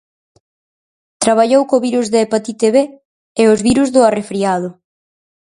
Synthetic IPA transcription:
t̪ɾaβaʎowkoβiɾuzðeepat̪it̪eβe | eʊzβiɾuzðʊarefɾiaðʊ

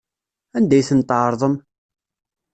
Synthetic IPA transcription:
ænd̪æjθənt̪ːʕɾˤðˤəm

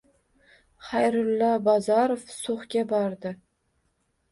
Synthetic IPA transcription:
χajɾʊlːabɒzɑɾofsoχɡʲabɒɾd̪ɪ

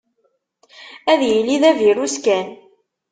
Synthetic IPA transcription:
æðjəlːiðæviɾuskæn

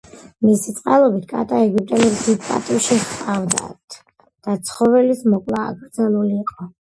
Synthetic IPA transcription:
misit̪sʼqʼalˠɔbit̪ʰkʼa̰t̪ʼaɛɡip̚ʼt̪ʼɛlɛbsid̪pʼa̰t̪ʼiʃiχqʼavd̪a̰t̪ʰ | d̪̥at̪sʰχɔvɛlismɔkʼlˠa̰ːɡɾd̪zalˠuliːqʼɔ

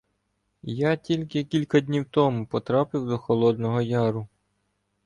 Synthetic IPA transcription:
jatʲilʲkɪkʲilʲkɐdʲnʲiwt̪ɔmupɔt̪ɾɑpɪwd̪ɔxɔlˠɔd̪nɔɦɔjɑɾʊ

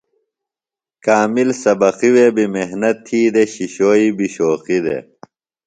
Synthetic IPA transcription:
kaːmilsɐbɐqiwebimeɦnɐt̪ʰːiːd̪eɕiɕoːiːbiɕoːqid̪ḛ

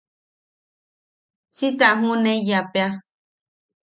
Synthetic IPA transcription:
sit̪aʔɦũnẽjapea

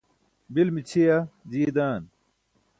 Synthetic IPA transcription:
bilmit͡ɕʰijɐd͡ʑied̪aːn

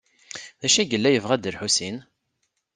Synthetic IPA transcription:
ðæʃiɡəlːæjəvʁæd̪əɾħusin

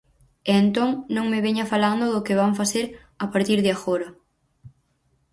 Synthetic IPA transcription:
eːnt̪oŋnõŋmɪβeɲɐfaland̪ʊðʊkɪβaŋfaseɾ | apaɾt̪iɾðɪaxoɾɐ

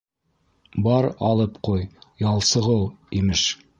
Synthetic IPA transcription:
bɑɾɑlˠɤpqujjɑlˠsɤ̆ʁɤwimɘʃ

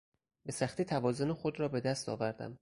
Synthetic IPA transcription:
besæxt̪iːt̪ʰævɒːzo̞nexo̞d̪ɾɒːbe̞d̪æst̪ʰɒ̰ːvæɾd̪æ̰m

